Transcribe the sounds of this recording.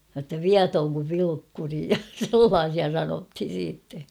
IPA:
jotːɑ ʋiɑtoːŋ kuʋ ʋilukːuri jɑ selːɑːsiɑ sɑnothin̞ siːtːe

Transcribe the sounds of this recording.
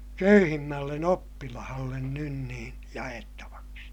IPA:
køyhimːælːen opːilɑhɑlːen nyn niː jɑetːɑʋɑksi

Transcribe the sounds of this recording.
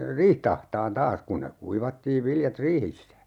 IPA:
riːht ɑhtɑːn tɑːs kun ne kuiʋɑtːiːʋ ʋiljɑt riːhisːæ

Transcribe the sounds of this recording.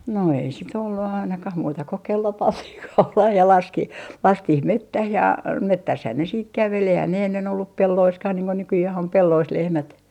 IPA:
no ei sit olːu ɑinɑkɑh muːtɑ ko kelːo pɑntih kɑulɑh jɑ lɑski lɑstih metːæh jɑ metːæshæn ne siːt kæʋel eihæn ne enːen olːup pelːoiskɑh niːŋ ko nykyjæh om pelːois lehmæt

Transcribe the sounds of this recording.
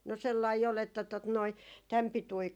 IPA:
no selːɑi ol etːæ tot noi tæm pitui

